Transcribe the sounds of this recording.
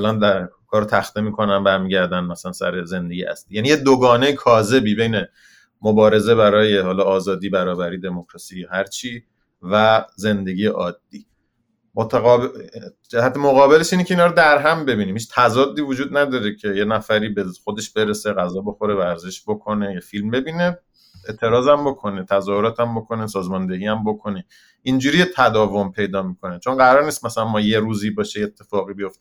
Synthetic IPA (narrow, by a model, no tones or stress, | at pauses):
ælænd̪æ | kʰɒːɾot̪ʰæxt̪emiːkʰo̞næmbæɾmiːɟæɾd̪ænmæsælænsæ̰ɾeze̞nd̪eɡijeʔæ̰sliːjæniːjed̪oɡɒːnejekʰɒːze̞biːbe̞jne | mobɒːɾe̞ze̞bæɾɒːje̞hɒːlɒːzɒːd̪iːbæɾɒːbæɾiːd̪e̞mokɾɒsiːjhæɾt͡ʃʰiː | væze̞nd̪e̞ɟiːjeʔɒːd̪̥ːiː | mot̪ʰæɣɒb | d͡ʒæhæt̪ʰemoɣɒːbe̞leʃiːnecʰeiːnɒːɾod̪æɾɦæmbe̞biːnimhiːt͡ʃʰt̪ʰæzɒːd̪ːiːvod͡ʒuːd̪næd̪ɒːɾecʰe̞jenæfæɾiːbexo̞d̪e̞ʃb̥e̞ɾeseɣæzɒːbo̞xo̞ɾevæɾzeʃbokʰo̞nejefilmbe̞biːne̞ | eʔt̪ʰe̞ɾɒːzæmbo̞kʰo̞net̪ʰæzɒːhoɾɒːt̪ʰæmbo̞kʰo̞nesɒːzmɒnd̪e̞ɡiːæmbokʰo̞ne | ind͡ʒuːɾiːjet̪ʰæd̪ɒːvo̞mpʰe̞jd̪ɒːmiːkʰo̞net͡ʃʰonɢæɾɒːɾniːst̪mæsælænmɒːje̞ɾuːziːbɒːʃejet̪ʰːe̞fɒːɣiːbijo̞ft̪e